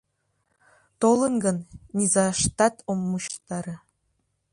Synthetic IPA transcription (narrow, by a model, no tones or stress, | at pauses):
t̪olˠɤ̆nɡɤ̆nnʲizɑʂt̪ɑt̪omːuɕt̪ɑɾɤ̆